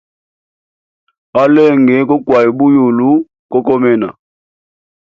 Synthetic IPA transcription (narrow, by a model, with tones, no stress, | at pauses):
a˦lɛ˦˨ŋɡɛ˨˦kɔ˦kwa˨ji˨ɓu˦ju˨lu˦ | kɔ˦kɔ˦mɛ˦na̰˨